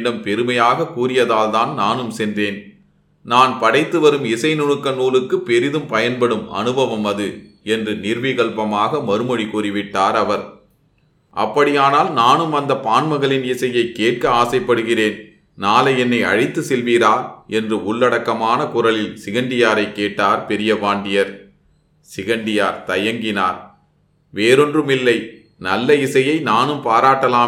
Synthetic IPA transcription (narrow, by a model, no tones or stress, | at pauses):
ɽɐmpɛɾɯmɐjaːɣɐkuːɾɪjɐðaːlt̪aːnnaːnɯmsɛnd̪eːn | naːnpɐɽɐɪt̪ːɯʋɐɾɯmɪsɐɪnɔɻɯkːɐnuːlɯkːɯpːɛɾɪðɯmpɐjɐnpɐɽɯmɐ̰nɯbɐʋɐmɐðɯ | ɛndrɯnɪɾʋɪɣɐɭpɐmaːɣɐmɐɾɯmɔɻikuːrɪʋɪʈːaːɾɐʋɐɾ | ʔɐ̰pːɐɽɪjaːnaːlnaːnɯmɐnd̪ɐpaːnmɐɣɐɭɪnɪsɐjɐɪkːeːʈ̚kɐaːsɐɪpːɐɽɯɣɪreːn | naːlɐjɛnːɐɪɐ̰ɻɪt̪ːɯsɛlʋiɾaːɾʔɛndrɯʊɭːɐɽɐkːɐmaːnɐkʊɾɐlɪlsɪɣɐɳɖɪjaːɾɐɪkːeːʈːaːɾpɛɾɪjɐʋaːɳɖɪjɐɾ | sɪɣɐɳɖɪjaːɾt̪ɐjɐŋɡɪna̰ːɾ | ʋeːɾɔndrɯmɪlːɐɪ | nɐlːɐɪsɐjɐɪnaːnɯmpaːɾaːʈːɐlaː